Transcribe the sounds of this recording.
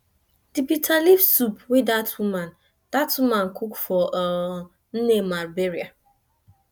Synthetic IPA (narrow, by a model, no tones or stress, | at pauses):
d̥ipitʰalifsupwidatwumãn | d̥atwumãn̩kʰukfɔ | n̩nemaɾbeɾia